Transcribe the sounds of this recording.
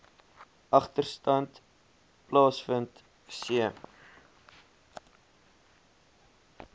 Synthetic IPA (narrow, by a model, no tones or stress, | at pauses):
ʔɐχtərstɐnt | plɑːsfənt | siəm